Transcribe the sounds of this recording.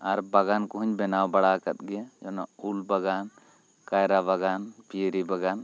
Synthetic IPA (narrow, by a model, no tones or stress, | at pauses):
aɾbaɡankɔɦuɲbɛnawbaɽakat̪̚ɡɛjad͡ʒɔnaulbaɡan | kajɾabaɡanpijəɾibaɡan